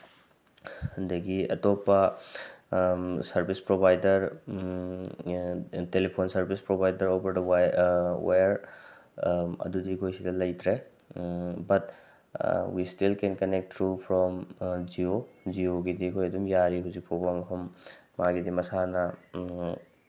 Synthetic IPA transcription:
hɐndɐɡiɐ̰topːɐ | sɐɾbʱispɾobajdɐɾ | telepʰonsɐɾbispɾobʱajdɐɾobɐɾdɐ | wajɾ | ɐ̰dudikʰojsidɐlɐjt̪ʰɾe | bɐt | wistilkenkɐnek̚tɾupʰɾɔmd͡ʒiod͡ʒioɡidikʰojɐdumjaɾiɦuzik̚pʰobɐmɐpʰɐmː | aɡidimɐsanɐ

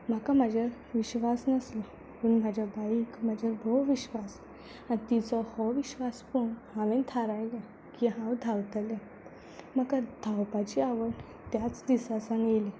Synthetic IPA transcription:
m̤akam̤ad͡ʑaɾ | ʋiɕʋasnəslə | pəɳm̤ad͡ʑʱabaikm̤ad͡ʑʱaɾbʱɔʋiɕʋas | ant̪it͡sɔhɔʋiɕʋaspoɳhãʋẽnt̪ʰaɾajle | kiɦãwd̪ʱawt̪əle | m̤əkad̪̥ʱawpat͡ɕiaʋəɽ | t̪jat͡sd̪isasãnjeli

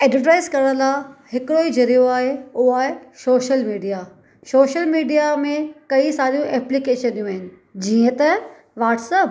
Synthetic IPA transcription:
ɛːɖʋəʈ̬aːɪzkɐɾəɽ̃ə̃laːhɪkɪɽoid͡ʑɐɾijoaːɦeʊɦaːesoːʃəlmiːɖija | soːʃəlmiːɖijamẽkɐisaːɾijũʔɛːplikeːʃə̃nd̪ijũaːɦɪnɪ̆ | d͡ʑiːə̃t̪ɐ | ʋaːʈsəp

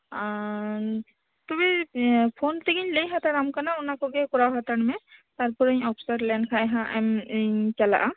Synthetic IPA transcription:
t̪ubipʰont̪eɡiɲlejɦat̪aɾamkanaunakɔɡɛkɔɾawɦat̪aɽmɛt̪aɾpuɾəɲɔpʰsaɾlɛnkʰaɛɦãʔɛmɲt͡ʃala̰ʔa

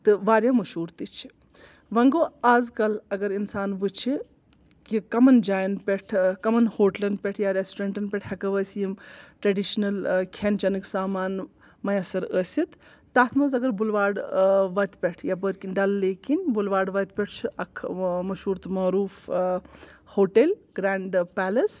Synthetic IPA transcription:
t̪ɨʋaːɾjamɐʃɦuːɾt̪it͡ʃʰi̥ | ʋɐŋɡoːaːzkɐlɐɡɐɾinsaːnʋɨt͡ʃʰi | kikɐmɐnd͡ʒaːjɐnpʲeʈʰkɐmɐnhoːʈlɐnpʲeʈʰjaɾesʈɾeɳʈɐnpʲɛʈʰhɐkɐʋəːsjimʈɾɐɖiʃnɐlkʲʰent͡ʃɐnɨksaːmaːn | mɐjɐsɐɾəːsit̪ː | aːt̪ʰmɐzɐɡɐɾbulʋaːɽʋɐt̪ʲpʲeʈʰjabəɾkinɖɐlːeːkinbulʋaːɖʋɐt̪̚pʲeʈ̚ʰt͡ʃʰuʔɐkʰmɐʃuːɾt̪maːɾuːf | hoːʈelɡɾaːɳɖpɛːlɐs

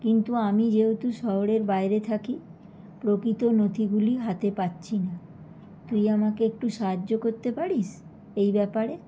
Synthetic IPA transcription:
kint̪uamid͡ʑewt̪uʃɔɦoɽeɾbajɾet̪ʰaki | pɾokɾit̪onod̪ʱiɡuliɦat̪epatːɕʰina | t̪ujamakeek̚ʈuʃaɦad͡ʒːokoɾt̪epaɽiʃ | ejbɛpaɾe

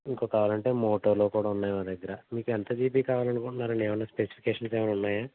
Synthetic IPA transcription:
iŋko̞ːkaːʋaːlɐɳʈe̞ːmoːʈoːɾlo̞ːkuːɽaːunːaːjmaːd̪ɐɡːɐɾɐmiːkɛnt̪ɐd͡ʒiːp̬iːkaːʋaːlɐnukuɳʈunːaːɾɐɳɖeːʋɐnːaːspesi̥pʰi̥keːʂɐnseːʋɐnunːaːjaː

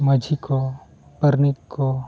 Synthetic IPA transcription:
mɐd͡ʒʱiko | pəɾnɪkːo

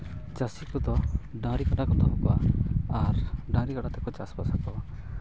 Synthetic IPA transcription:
t͡ʃasikt̪ɔt̪ɔɖãɾikaɖakɔd̪ʱɔmɔkɔaaɾɖãɾikaɽat̪ɛkɔt͡ʃaspasakɔa

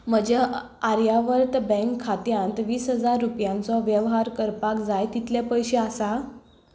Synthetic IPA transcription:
m̤əd͡ʑa | aɾjaʋəɾt̪bə̃ŋkʰːat̪jãnt̪ʋiːsɦəd͡zaɾːupjãnt͡sɔʋjəʋɦaɾkəɾpakd͡zajt̪it̪ljapəjɕeasa

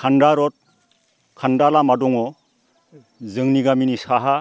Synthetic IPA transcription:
kʰandaɾɔt̚ | kʰandalamadɔŋɔ | zɯŋniɡaminisaɦa

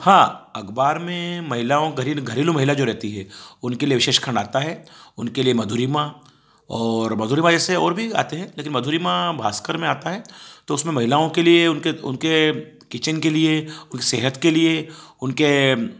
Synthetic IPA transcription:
hãːɐɡbaːɾmẽmɐɦɪlaõɡʱɐɾiɡʱɐɾiːlũmɐɦɪlad͡ʒoːɾɛɦt̪iɦɛʊnkelieʋɪʃeːʃkʰə̃ɳɖaːt̪aɦɛːʊnkeliemɐd̪ʱuːɾimã | ɔːɾmɐd̪ʱuːɾimãd͡ʒɛːseɔːɾbʱia̰ːt̪eɦɛ̃leːkɪnmɐd̪ʱuːɾimãbʱaːskəɾmẽaːt̪aɦɛːt̪oʊsmẽmɐɦɪlaːõkelieʊnkeʊ̰nke | kɪt͡ʃənkelieʊnkeseːɦət̪kelieʊnke

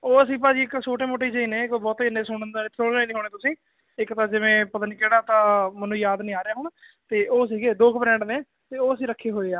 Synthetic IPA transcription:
oːəsĩːp̬aːd͡ʒiːɪksʰoːʈẽːmoːʈ̬eːd͡ʒeiːneːkoːbɔːt̪ːɪnẽːsʊɳənd̪aːɪt̪ʰːolnaːiːniːɦoːɽ̃eːt̪ʊsĩː | ɪkt̪ãːd͡ʒɪʋẽːpət̪ənkɛːɽaːt̪ãːmənũːjaːd̪nĩːaːɾejaːɦʊɳ | t̪eːʔoːsiːɡeːd̪oːkʰpɾɛ̃ːɳɖnẽː | t̪eːoːəsĩːɾəkʰːeːɦoːeːaː

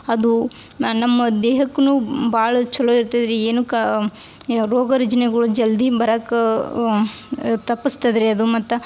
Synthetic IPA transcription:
ɐd̪u | nɐmːɐd̪eːɦɐkːnubaːɭɐt͡ʃɐloiɾt̪ɐd̪ɐɾeeːnukɐ | ɾoːɡɐɾɐd͡ʒɐnɛɡɐɭud͡ʒɐld̪ibɐɾɐkɐ | t̪ɐpːɐst̪ɐd̪ɐɾeɐd̪umɐt̪ːɐ

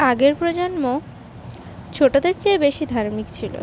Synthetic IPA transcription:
aɡeɾpɾod͡ʑonmo | t͡ɕʰoʈod̪eɾt͡ɕebeʃid̪ʱaɾmikt͡ɕʰilo̰

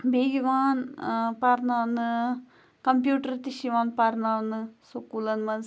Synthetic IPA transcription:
bʱeːɡiʋaːnpɐɾnaːnɨ | kɐmpjuːʈɐɾt̪iʃiʋaːnpɐɾnanːɨsokːuːlɐnmɐn

